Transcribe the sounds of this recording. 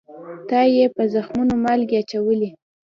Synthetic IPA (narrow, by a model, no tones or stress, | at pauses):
t̪ɑjepəzaxmunomalɡeat͡ʃawəli